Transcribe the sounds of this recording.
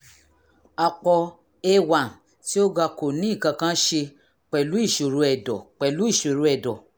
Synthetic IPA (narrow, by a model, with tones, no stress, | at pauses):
a˧k͡pɔ˧ | e˦wa˨n˨ | ti˦o˦ɡa˧ko˨nĩ˨˦i˦˨kã˧kã˦ʃe˧ | k͡pɛ˨lu˨˦i˦˨ʃo˨ɾu˧˦ɛ˨dɔ˨k͡pɛ˨lu˨˦i˦˨ʃo˨ɾu˧˦ɛ˨dɔ˨